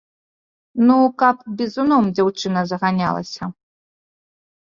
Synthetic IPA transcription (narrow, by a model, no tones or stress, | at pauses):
nukapbʲizunɔmd͡zʲawt͡ʂɨnɐzɐɣanʲa̰lˠɐ̰sʲɐ